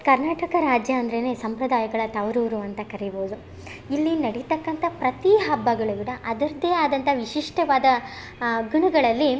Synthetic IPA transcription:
kɐɾnaːʈɐkɐɾaːd͡ʒjɐːnd̪ɐɾene̞ːsɐmpɾɐd̪aːjɐɡɐɭɐt̪ɐʋɾuːɾuɐnt̪ɐkɐɾeboːd̪u | ilːinɐɽit̪ɐkːɐnt̪ʰɐpɾɐt̪iɦɐbːɐɡɐɭuʋiɽɐʔɐd̪ɐɾɐd̪eːaːd̪ɐnt̪ʰɐʋiʃiʂʈɐʋaːd̪ɐ | ɡuɳɐɡɐɭɐlːi

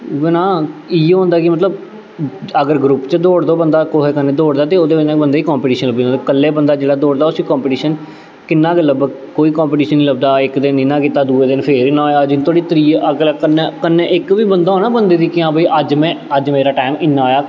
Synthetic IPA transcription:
ʋɪnãːiːɦõːnd̪aːkɪmət̪ləb | əɡəɾɡɾʊpt͡ʃəd̪oːɽd̪oːbənd̪aːkoɦeːkənːẽːd̪oːɽd̪aːt̪eːoːd̪eːbɪd͡ʒnaːkbənd̪eːikãːmpiʈiːʃənləb̪iːt̪ːkəlːeːbənd̪aːd͡ʒeːɽaːd̪oːɽd̪aːʊsiːkɔ̃ːmpːʈiːʃən | kɪnːãːkələb | koːiːkãːmpiːʈiːʃənːiːləb̚d̪aːɪkd̪ɪniːnãːkiːt̪aːd̪uːeːd̪ɪnpʰeːɾɪnːaːoːjaːd͡ʒnt̪ʰoːɽiːt̪əɾiːəɡlːkənːekənːeːʔɪkʋiːbənd̪aːoːnãːbənd̪eːd̪iːkɪãːbəiːʔəd͡ʒmɛ̃ːəd͡ʒmeːɾaːʈaːmɪnːãːjaː

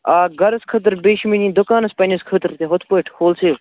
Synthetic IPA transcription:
aːɡɐɾɐskʰət̪̬ɾbeːʃminʲĩːd̪ʊkaːnɐspɐnʲiskʰət̪ɾt̪eɦot̪ʰpoiʈʰhoːlseːʋ

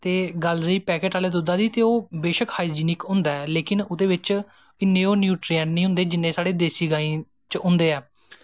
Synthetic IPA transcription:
t̪eːɡaːlɾiːpɛːkeːʈaːleːd̪ʊd̪aːd̪iːt̪eːoːbeːʃəkhaːid͡ʒiːnɪkɦʊ̃ːnd̪aːɛleːkɪnʊt̪eːʋɪt͡ʃ | ɪnːẽːoːnjuːʈɾiɛːnnĩːɦʊ̃nd̪eːd͡ʒɪnːẽːsaːɽeːd̪eːsiːɡaːĩː | t͡ʃʊ̃nd̪eːɛː

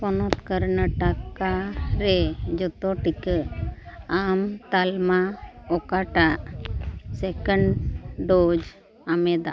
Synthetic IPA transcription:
pɔnɔt̪kəɾnəʈakaɾɛd͡ʒɔt̪ɔʈikə | amt̪almaɔkaʈaʔ | sɛkəɳɖɖod͡ʒ | amɛd̪a̰

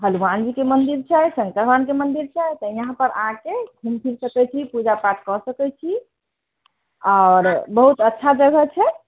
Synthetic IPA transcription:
ɦəlumand͡ʒikemənd̪iɾt͡ʃʰɛjsəŋkəɾmankemənd̪iɾt͡ʃʰɛjt̪ɔiɦãpəɾʔə̰ɦãkeɡʱumpʰiɾsəkɛt͡ʃʰipud͡ʒapaʈkɔsəkɛt͡ʃʰi | ɔːɾbəɦut̪ətːʃʰad͡ʒəɡʱət͡ʃʰɛ

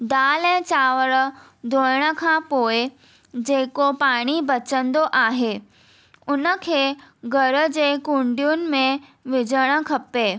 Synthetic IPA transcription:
d̪aːlɛ̃ːt͡ɕaːʋəɾə̆ | d̪oːəɽ̃ə̆kʰãːpoːe | d͡ʑeːkopaːɽ̃ibɐt͡ɕə̃nd̪oʔaːɦeː | ʊnə̆kʰeːɡɐɾə̆d͡ʑeːkũɳɖijʊnɪ̆mẽʋɪd͡ʑəɽ̃ə̆kʰɐpeː

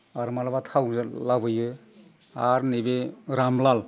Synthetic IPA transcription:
aɾmalabatʰawzlabɯjɯ | aɾnebeɾamlal

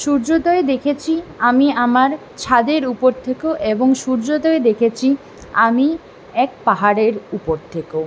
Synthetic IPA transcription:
ʃuɾd͡ʑot̪oed̪ekʰet͡ɕʰiamiamaɾ | t͡ɕʰad̪eɾupoɾt̪ʰekoʔeboŋʃuɾd͡ʑot̪oed̪ekʰet͡ɕʰi | ami | ɛk̚paɦaɾeɾupoɾt̪ʰeko

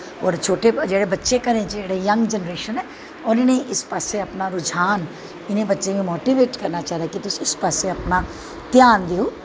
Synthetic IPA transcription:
ɔ̰ːɾt͡ʃʰoːʈed͡ʒeːɽebɐtːʃekɐɾẽd͡ʒeːɽejɐŋɡd͡ʒənɾeːʃənɛ̃ː | ɔːɾɪnẽɪspaːseɐpnaɾʊd͡ʒʱaːn | ɪnẽbɐtːʃemẽmoːʈiʋeːʈkɐɾnat͡ʃaːɦɾakit̪ʊsɪspaseɐpna | t̪jaːnd̪ioː

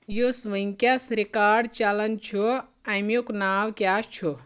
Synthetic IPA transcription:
jusʋəŋkʲjasɾikaːɖt͡ʃalɐnt͡ʃʰu | ɐmjuknaːwkʲjast͡ʃʰu

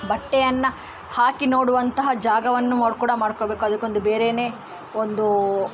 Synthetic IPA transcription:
bɐʈːɛjɐnːɐ | haːkino̞ːɽuʋɐnt̪ɐɦɐd͡ʒaːɡɐʋɐnːunoːɽkuːɽɐmaːɽkobe̞ːkuɐd̪ɐkːo̞nd̪ube̞ːɾene̞ː | ond̪u

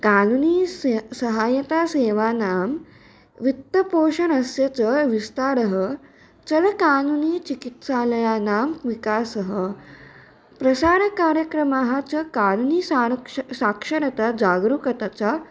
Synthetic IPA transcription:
kaːnuniːsəɦajət̪aseːʋanaːm | ʋit̪ːəpoːʂənəsjət͡səʋist̪aɾəɦə | t͡sələkaːnuniːt͡ɕikit̪saləjanamʋikasəɦə | pɾɐsaːɾəkaːɾjəkɾəmaɦat͡səkaːnuniːsasakʂəɾət̪ad͡zaɡɾukət̪at͡sa

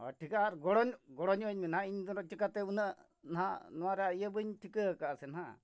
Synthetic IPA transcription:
ɔ̰ʈʰikaːɾɡɔɽɔɲɡɔɽɔɲɔɲminɦaiɲd̪ɔɾɔt͡ʃikat̪eunə | nɦanɔaɾeajəbɯɲʈʰikəkasenɦa̰

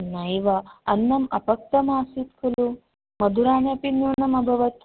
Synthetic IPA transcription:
nɐjʋɐɐnːɐmɐ̰pɐk̚t̪ɐmaːsit̪̚kʰɐlu | mɐd̪ʱuɾaːnɐpinjuːnɐmɐbʱɐʋɐt̪

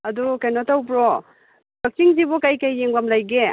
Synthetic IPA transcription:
ɐdukajnɔtʰawbɾɔ | bɐk̚t͡ʃiŋzibɔkajkajːeŋbamlajɡe

